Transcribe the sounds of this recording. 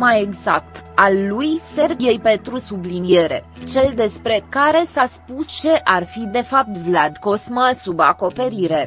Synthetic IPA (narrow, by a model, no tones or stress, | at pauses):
maje̞ɡzak̚t̪alːujse̞rbijejpe̞nt̪ɾusublinije̞ɾe̞̰ | t͡ʃe̞ld̪e̞spɾe̞kaɾe̞saspust͡ʃe̞ʔarfid̪e̞fap̚t̪vlad̪ko̞sməsuba̰ko̞pe̞ɾiɾe̞